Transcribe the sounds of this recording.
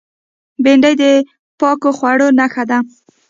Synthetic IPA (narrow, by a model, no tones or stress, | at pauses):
beɳɖajd̪ə | pɑkoxwaɽonaxad̪a